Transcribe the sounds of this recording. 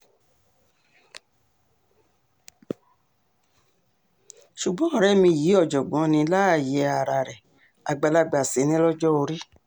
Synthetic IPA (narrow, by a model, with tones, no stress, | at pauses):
ʃu˨ɡ͡bɔ̃˨˦ɔ˦˨ɾɛ˦mĩ˧˨ji˨˦ɔ˦˨d͡ʒɔ˨ɡ͡bɔ̃˨˦nĩ˧la˦˨jɛ˨˧˦a˨ɾa˧˨ɾɛ˨ | a˨ɡ͡ba˧la˧ɡ͡ba˨se˨˦nĩ˦lɔ˦d͡ʒɔ˦o˧ɾi˦